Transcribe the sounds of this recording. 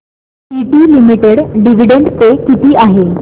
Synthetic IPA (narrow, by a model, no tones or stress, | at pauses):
iʈiːlimiʈeɽɖiʋ̤iɖeɳɖt͡sekit̪iːʔaɦe